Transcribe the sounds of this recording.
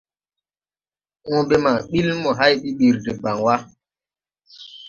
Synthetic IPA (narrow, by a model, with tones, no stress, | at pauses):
ŋɔ̃˦be˦ma˨ɓi˦lmɔ˨ɦa˦jɓi˦ɓi˨ɾde˨ba˨ŋwa˦